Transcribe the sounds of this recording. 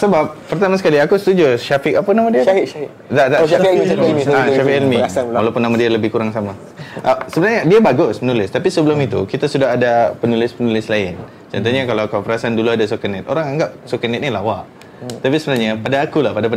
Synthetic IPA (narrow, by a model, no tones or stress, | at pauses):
səbap̚pərt̪amasə̥kaliakusə̥t̪ud͡ʒuʃafɪkapənamadiaa | dadaamiaʃafikilmiasalwalawpʊnːamadialəbɪhkuɾaŋsama | ʔəsəbənarɲadiabaɡʊsmənulɪst̪apisəbəlʊmit̪ṵkit̪asudaɦadapənulɪspənulɪslaɪn | t͡ʃant̪̬aɲakalawkapəɾasaanduluadasokənɛt̪o̰ɾaŋaŋɡap̚sokənɛt̪̚nilawaʔ | t̪apisəbənarɲapadaːkulahpadap